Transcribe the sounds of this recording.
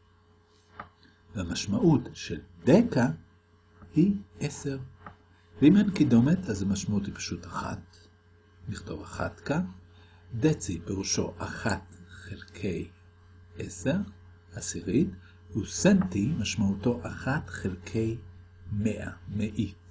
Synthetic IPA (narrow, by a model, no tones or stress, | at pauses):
hamaʃmaʔutʃeldeka | hiʔese̞ʁ | veimankido̞metʰazhamaʃmauthipḁʃutaχa̰t̪ | niχt̪o̞̰vaχa̰tka | d̪et͡sipeʁuʃo̞̰ʔaχatχelkʰe̞j | ʔese̞ʁ | asiʁit | husentimaʃmauto̞ʔaχatχelkʰe̞j | meʔa̰meʔi